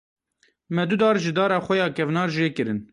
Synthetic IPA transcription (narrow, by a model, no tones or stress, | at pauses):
mɛd̪ud̪ɑːɾʒɨd̪ɑːɾɑːxʷɛjɑːkɛvnɑːɾʒeːkɨɾɨn